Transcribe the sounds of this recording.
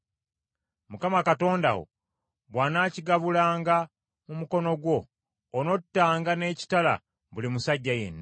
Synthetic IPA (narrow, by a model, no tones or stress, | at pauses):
mukamakato̞ːnda̰wo̰ | βwaːnaːciɡaβulaːŋɡa | mumuko̞no̞ɡwo̞ː | no̞tːaːŋɡane̞ːci̥tala̰ | βulimusaɟːajḛnːa